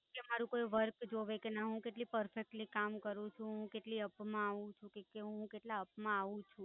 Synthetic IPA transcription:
kemaɾũkoiʋəɾkd͡ʒoʋekenaɦũkeʈlipəɾfek̚ʈnikamkəɾũt͡ʃʰũɦũkeʈliəpmãaʋũt͡ʃʰũkekeɦɦũkeʈlaəpmãaʋũt͡ʃʰũ

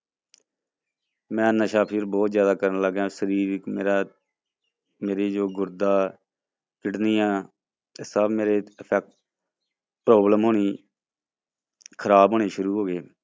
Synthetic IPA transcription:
mɛ̃ːnəʃaːpʰiːɾbɔːt̪zjaːd̪aːkəɾənləɡãːsəɾiːɾkmeːɾaː | meːɾeːd͡ʒoːɡʊɾd̪aː | kɪʈniːãː | esəbmeːɾeːəpʰɛːk̚ʈ | pɾoːbləmɦoːniː | kʰəɾaːboːɳeːʃʊɾuːɦoːɡeː

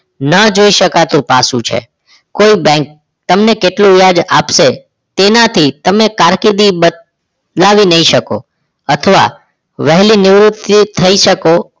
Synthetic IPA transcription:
nəd͡ʒoiʃəkat̪ũpasũt͡ʃʰḛ | koibɛ̃ŋk̚ | t̪əmnekeʈlũjad͡ʒapʃe | t̪enat̪ʰit̪əmekaɾkid̪ibə | laʋinəiʃəko̰ | ət̪ʰəʋa̰ | ʋɛɦlinɪʋɾut̪ːiːəiʃəko

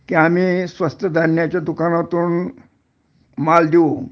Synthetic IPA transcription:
kiam̤iːsʋəst̪əd̪ʱəɾɳjat͡ɕjad̪ukanat̪uːn | mald̪ʱio

